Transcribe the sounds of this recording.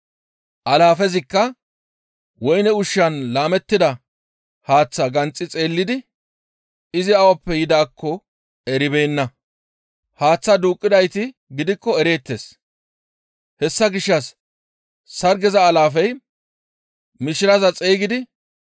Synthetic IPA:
ʔɐlaːfɛzɪkːɐ | wɔjnɛʊʃːɐnlaːmɛt̪ːɪd̪ɐ | haːt͡sːɐɡɐnt͡sʼːɪt͡sʼe̞ːlːɪd̪ɪ | ɪzɪɐwɐpːɛjɪd̪aːkʰːɔ | ɛɾɪbejnːɐ | haːt͡sːɐd̪uːkʼːɪd̪ɐjt̪ɪ | ɡɪd̪ɪkːɔɛɾe̞ːt̪ːes | hɛsːɐɡɪʃːɐs | sɐɾɡɛzɐːlaːfɛj | mɪʃɪɾɐzɐt͡sʼeːɡɪd̪ɪ

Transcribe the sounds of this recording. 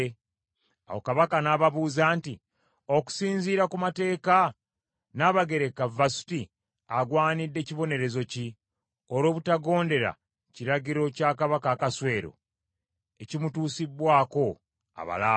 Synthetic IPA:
a̰wo̰kaβakanaβaβuːzaːnti | o̞ku̥siːnziːɾakumate̞ːka | naːβaɡe̞ɾe̞kavasu̥ti | aɡwaːnidːe̞ːciβo̞ne̞ɾe̞zo̞ci | oɾo̞ːβutaɡo̞ːnde̞ɾa̰ | ciɾaɟiɾo̞caːkaβakaːkaswe̞ːɾo̞̰ | e̞cimutuːsibːwaːko̞ | a̰βa̰laː

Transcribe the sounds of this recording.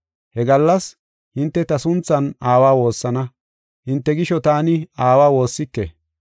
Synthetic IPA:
hɛɡɐlːɐs | hɪnt̪ːɛt̪ɐsʊnt͡sːɐnaːwaːwo̞ːsːɐnɐ | hɪnt̪ːɛɡɪʃɔt̪aːnɪaːwaːwo̞ːsːɪkːḛ

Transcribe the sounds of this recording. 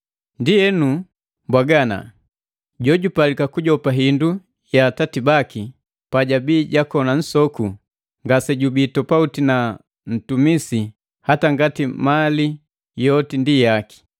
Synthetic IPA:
ndijɛnu | mbwaɡana̰ | ɟɔɟupalikakuɟɔpaɦindu | jaːtatibaki | paɟabiːɟakɔnan̩sɔku | ŋɡasɛɟubitɔpautina | n̩tumisi | hataŋɡatimali | jɔtindijaki̥

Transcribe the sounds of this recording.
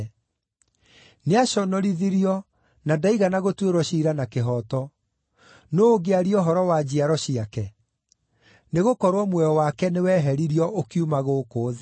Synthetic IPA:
neaɕɔnɔɾiðiɾiɔ | nadaiɣanaɣotweɾwɔɕiːɾanakeɦɔtɔ | noːɡeaɾiɔɦɔɾɔwad͡ʑiaɾɔɕiakɛ | neɣokɔɾwɔmwɛɔwakɛnewɛɦɛɾiɾiɔʔokiumaɣokoːð

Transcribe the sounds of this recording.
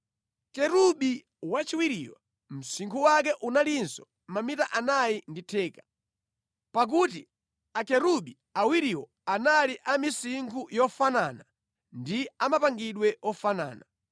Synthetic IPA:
kɛɾuɓi | wat͡ʃiwiɾḭwa̰ | m̩siŋkʰuwak̬ɛʔunalinsɔ | mamitaʔanajinditʰɛːkḁ | pak̬uti | akɛɾuɓi | awiɾiwɔ | analiʔamisiŋkʰujɔfanana | ndiamapaŋɡiɗwɛɔfana̰ːna

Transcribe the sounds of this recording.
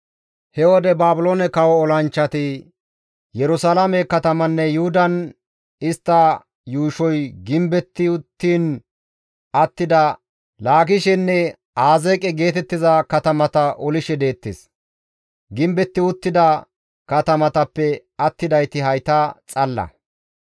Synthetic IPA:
hɛwɔd̪ɛbaːbʊloːnɛkɐwɔːlɐnt͡ʃːɐt̪ɪ | jɛɾʊsalɐmɛkɐt̪ɐmɐnːɛjʊhʊd̪ɐn | ɪst̪ːɐ | juːʃɔjɡɪmbɛt̪ːɪʊt̪ːiːn | ɐt̪ːɪd̪ɐ | laːɡɪʃɛnːɛ | aːzeːkʼɛɡe̞ːt̪ɛt̪ːɪzɐkɐt̪ɐmɐt̪ɐʔɔlɪʃɛd̪e̞ːt̪ːɪs | ɡɪmbɛt̪ːɪʊt̪ːɪd̪ɐ | kɐt̪ɐmɐt̪ɐpːɛ | ɐt̪ːɪd̪ɐjt̪ɪhɐjt̪ɐt͡sʼɐlːɐ̰

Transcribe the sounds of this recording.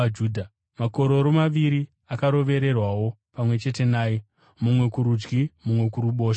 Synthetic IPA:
d͡ʒuːdʱa | mako̞ɾo̞ɾomaʋiɾi | akaɾo̞ʋe̞ɾe̞rwawo̞ | pamwe̞t͡ʃe̞te̞naːje | mumwe̞kuɾud͡ʒɡimumwe̞kuɾuɓo̞ːʃ

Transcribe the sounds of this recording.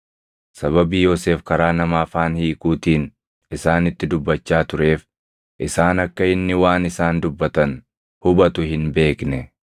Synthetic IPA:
sɐβɐbiːjo̞ːse̞ːfkɐɾaːnɐmaːfaːnhiːkuːt̪iːn | ɪsaːnɪt̪ːɪd̪ʊbːɐt͡ʃːaːt̪ʊɾe̞ːf | ʔɪsaːnɐkːɐɪnːɪwaːnɪsaːnd̪ʊbːɐt̪ɐn | hʊbɐt̪ʊhɪnbe̞ːknɛ

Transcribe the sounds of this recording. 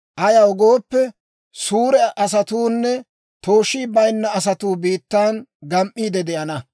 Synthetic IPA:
ʔɐjɐwɔɡoːpːɛ | suːɾɛɐsɐt̪uːnːɛ | t̪oːʃːiːbɐjnːɐɐs̬ɐt̪uːbiːt̪ːaːnɡɐmʔːiːd̪ɛd̪ɛʔɐnɐ

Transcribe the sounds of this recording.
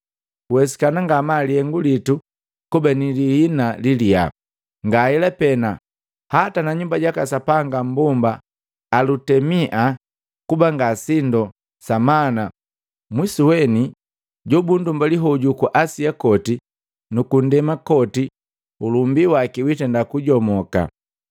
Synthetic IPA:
uwɛsi̥kanaŋɡamalihɛŋɡulitu | kubaniliinalilia̰ | ŋɡahɛlɛpɛna | hatanaɲumbaɟakasapaŋɡam̩bɔmbaː | lutɛmiʔa | kubaŋɡasindɔ | samana | mwisiwɛni | ɟɔbundumbaliɦɔɟukuʔasiakɔti | nukun̩dɛmakɔti | ulumbiwakiwitɛndakuɟɔmɔka̰

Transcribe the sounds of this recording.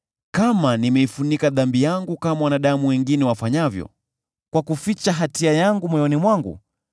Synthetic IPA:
kamanimɛifunikaðambijaŋɡukamawanaɗamuwɛŋɡinɛwafaɲavjɔ̰ | kwakufit͡ʃaɦatiajaŋɡumwɔjɔnimwaŋɡṵ

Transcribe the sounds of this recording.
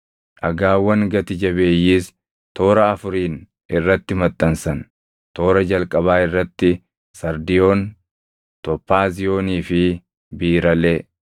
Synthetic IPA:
ʔɐɡaːwːɐŋɡɐt̪ɪd͡ʒɐbe̞ːjːiːs | t̪o̞ːɾɐɐfʊɾiːn | ʔɪrːɐt̪ːɪmɐt̪ʼːɐnsɐn | t̪o̞ːɾɐd͡ʒɐlkʼɐβaːɪrːɐt̪ːɪ | sɐɾd̪ɪjo̞ːn | t̪ɔpːaːzɪjo̞ːniːfɪ | biːɾɐleː

